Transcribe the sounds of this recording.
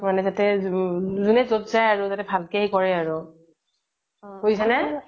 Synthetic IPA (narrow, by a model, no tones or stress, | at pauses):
manɛzatɛ | zunɛzotzajaɹʊzatɛbʱalkɛɦikɔɹɛaɹʊ | kojsɛnɛ